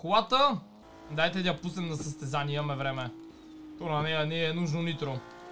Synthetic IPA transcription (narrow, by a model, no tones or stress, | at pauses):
kolat̪ə | d̪ajt̪ɛd̪ʲɐpusnɛmnɐsɐst̪ɛzanʲiimɐmɛvɾɛmɛ | t̪onɐnɛniɛnuʒnonit̪ɾo